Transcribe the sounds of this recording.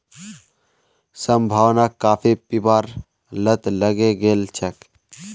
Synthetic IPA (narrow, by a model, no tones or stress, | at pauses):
səmbʱaːwnakaːpʰipibaːɾ | lət̪ləɡeɡeːlt͡ʃʰək